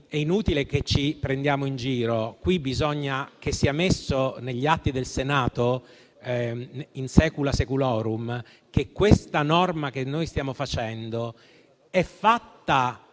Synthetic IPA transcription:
ɛinuːt̪ilek̟et͡ʃipɾend̪jaːmoind͡ʒiːɾokwibizɔɲːak̟esːiːamesːoneʎːiat̪ːid̪elsenaːt̪o | insɛːkulasekulɔːɾum | kekːwest̪anɔrmak̟enːojst̪jaːmofat͡ʃɛnd̪o | ɛfːat̪ːa

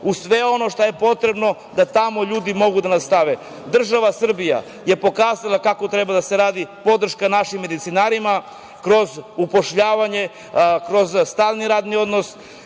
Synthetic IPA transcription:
usʋe̞o̞no̞ʃt̪oje̞po̞t̪ɾe̞bno̞ | d̪at̪amo̞ʎuːd̪imo̞ɡud̪anast̪aʋe | d̪r̩ʒaʋasr̩bija̰ | je̞po̞kaːzalakako̞t̪ɾe̞bad̪ase̞ɾaːd̪ipo̞d̪r̩ʃkanaʃimːe̞d̪it̪sinaːɾima | kɾo̞zupoʃʎaːʋaɲe̞ | kɾo̞zst̪aːlniɾaːd̪nio̞d̪nos

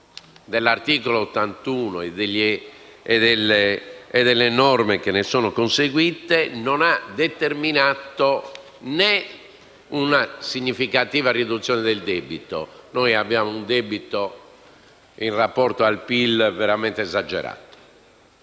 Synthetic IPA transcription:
d̪elːaɾt̪iːkɔloːt̪ːant̪uːnoɛd̪eʎːiɛd̪ɛlːeːd̪ɛlːɛnɔrmek̟enːesɔːnɔkonseɣwit̪enɔnad̪ɛt̪eɾminat̪o | nɛ | unasiɲːifikat̪iːvariðut̪sːjɔːnɛðɛld̪eːbit̪o̰noːjabːjaːmound̪ebit̪o | inrapːɔɾt̪oalpilvɛɾamɛnt̪eɛzad͡ʒɛ̰ɾa̰ːt̪o̥

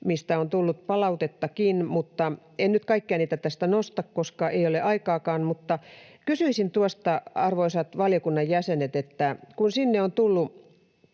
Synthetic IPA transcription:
mist̪æont̪ulːut̪pɑlɑut̪et̪ːɑkinmut̪ːɑ | ennyt̪kɑikːeæɑniːt̪æt̪æst̪ænost̪ɑkkoskɑʔeioleʔɑikɑːkɑːnmut̪ːɑkysyisint̪uost̪ɑɑrʋoisɑt̪ʋɑljokunːɑjjæsenet̪et̪ːækunsinːeont̪ulːu

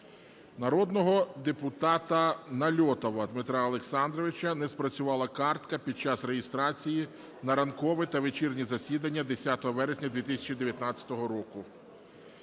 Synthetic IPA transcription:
nɐɾɔd̪nɔɦɔd̪epʊt̪ɑt̪ɐnɐlʲɔt̪ɔʋɐd̪mɪt̪ɾɑɐlˠeksɑnd̪ɾɔʋɪt͡ʃɐnɛspɾɐt͡sʲʊʋɑlˠɐkɑrt̪kɐpʲid̪̚t͡ʃɑsɾejɪst̪ɾɑt͡sʲiji | nɐɾɐnkɔʋɪt̪ɐʋet͡ʃirnʲizɐsʲid̪ɐnʲːɐd̪esʲat̪ɔɦɔʋɛɾesʲnʲɐd̪ʲʋʲit̪isʲɐ̥t͡ʃid̪e̞ʋʲjɐt̪nɑt͡sʲːɐ̥t̪ɔɦɔɾɔkʊ

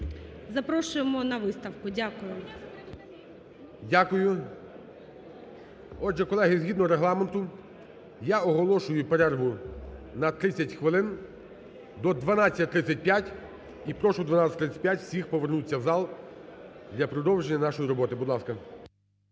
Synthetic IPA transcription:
zɐpɾɔʃʊjemɔnɐʋɪst̪ɐwkʊdʲakʊjʊ | dʲakʊjʊ | ɔdʒɛkɔlˠɛɦizɦʲid̪nɔɾeɦlˠɑment̪ʊ | jaɔɦɔlˠɔʃʊjʊpeɾɛrɦʊnɐt̪ɾɪt͡sʲːɐtʲxʋɪlˠɪn | d̪ɔd̪ʋɐnɑat͡sʲːɐtʲt̪ɾɪt͡sʲːɐt̚ʲpʲjatʲ | ipɾɔʃɔd̪ʋɐnɑt͡sʲɐt̪ɾɪt͡sʲːɐ̥tʲpʲjatʲwfsʲixpɔʋernut͡sʲːɐwzɑlˠ | d̪lʲɐpɾɔd̪ɔwʒenʲːɐnɑʃɔjiɾɔbɔt̪ɪbʊd̪lˠɑskɐ

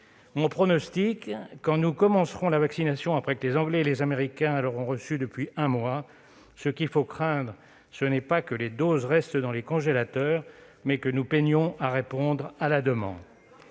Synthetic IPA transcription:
mɔ̃pχɔnɔst̪ikːɑ̃nukɔmɑ̃sχɔ̃lavaksinasjɔ̃apχɛkəlezɑ̃ɡlɛelezameʁikʲɛ̃ləʁɔ̃ʁəsyd̪əpɥiɛ̃mwa | səkʲilfokχɛ̃d̪ʁ | sənɛpakəled̪ozʁɛst̪d̪ɑ̃lekɔ̃ʒelat̪œːʁ | mɛkənupɛɲjɔ̃aʁepɔ̃d̪ʁalad̪əmɑ̰̃d̪

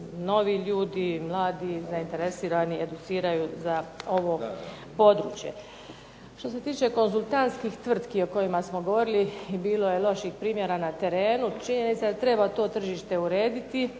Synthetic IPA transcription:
no̞ʋiʎuːd̪imlˠaːd̪izaint̪e̞ɾesiːɾanie̞d̪ut̪siːɾajuzao̞ʋo̞ | po̞d̪ɾṵːt͡ʃje̞̰ | ʃt̪o̞se̞t̪iːt͡ʃe̞ko̞nzulˠt̪ant̪skixt̪ʋr̩t̪kio̞kojimasmo̞ɡo̞ʋo̞ɾilibiːlo̞je̞lˠo̞ʃixpɾiːmje̞ɾanat̪e̞ɾe̞ːnut͡ʃiɲe̞nit̪sad̪at̪ɾe̞bat̪o̞ːt̪r̩ʒiːʃt̪e̞uɾe̞ːd̪it̪i

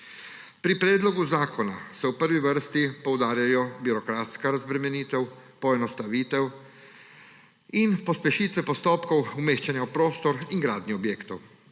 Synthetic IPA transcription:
pɾipɾɛːd̪lɔɡuzaːkɔna̰sɛwpəɾʋiʋəɾst̪ipɔwd̪aːɾjajɔbiɾɔkɾaːt̪skaɾazbɾɛmɛniːt̪ɛwpɔɛnɔst̪aʋiːt̪ɛw | inpɔspɛʃiːt̪ʋɛpɔst̪ɔːpkɔwumeːxt͡ʃanjawpɾoːst̪ɔɾiŋɡɾaːd̪niɔbjeːkt̪ɔw

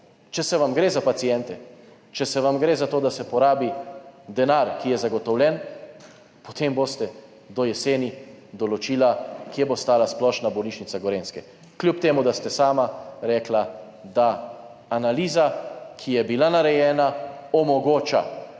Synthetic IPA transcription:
t͡ʃɛsɛʋamɡɾeːzapat̪sijɛnt̪ɛ | t͡ʃɛsɛʋamɡɾeːzat̪oːd̪asɛpɔɾaːbid̪ɛnaɾkijɛzaɡɔt̪ɔwlʲjɛn | pɔt̪emboːst̪ɛ | d̪ɔjɛseːnid̪ɔlɔt͡ʃiːlakijɛbost̪aːlasplɔːʃnabɔwniːt͡ʃnitsaɡoɾeːnskɛ | kljupt̪eːmud̪ast̪ɛsaːmaɾɛːkla | d̪aː | naliːzakʰijɛbilanaɾɛjɛːnaɔmɔɡoːt͡ʃa̰

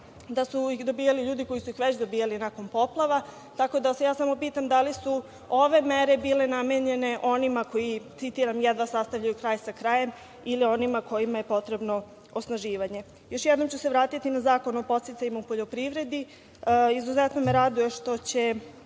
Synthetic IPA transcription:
d̪asuixd̪o̞bijaliʎuːd̪iko̞jisuixʋet͡ɕd̪obijalinako̞npo̞plˠaʋa | t̪ako̞d̪ase̞jaːsamo̞piːt̪amd̪alisu | o̞ʋe̞me̞ɾe̞biːle̞nameɲe̞ne̞ʔo̞nimako̞jit̪sit̪iːɾamjad̪ʋasast̪aʋʎajukɾaːjsakɾaːje̞m | ilio̞nimako̞jimaje̞po̞t̪ɾe̞bno̞ | osnaʒiːʋaɲe̞ | jo̞ʃjɛd̪no̞mt͡ɕuseʋɾaːt̪it̪inazaːko̞nuopo̞t̪sjet̪saɲimaupoʎo̞pɾiʋɾe̞d̪i | izuzɛt̪no̞meɾad̪uje̞ʃt̪o̞t͡ɕe̞

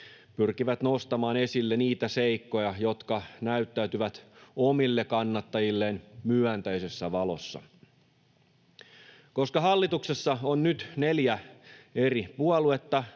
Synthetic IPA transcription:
pyrkiʋæt̪no̞st̪ɑmɑːne̞silːeniːt̪æseikːo̞jɑjo̞t̪kɑnæyt̪ːæyt̪yʋæt̪omilːekɑnːɑt̪ːɑjilːeːnmyænt̪æjse̞sːæʋɑlo̰sːɑ̰ | ko̞skɑɦɑlːit̪uksesːɑonnyt̪neljæe̞ripuɑlue̞t̪ːɑ

